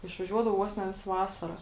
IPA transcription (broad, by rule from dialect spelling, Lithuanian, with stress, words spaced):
ɪʃʋɐˈʒʲuɔdɐʋoː ˈʋoːs nʲɛ ˈʋʲɪsɐ ˈʋɑːsɐrɐ